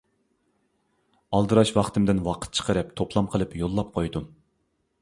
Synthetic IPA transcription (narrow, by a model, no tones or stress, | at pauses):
ɑlˠd̪ɨɾɑʃwɑχt̪ʰɨmd̪ɪnwɑqʰə̥t̪̚t͡ʃʰə̥qʰəɾɨpt̪ʰoplˠɑmqʰəlˠɨpjolˠːɑp̚qʰojd̪um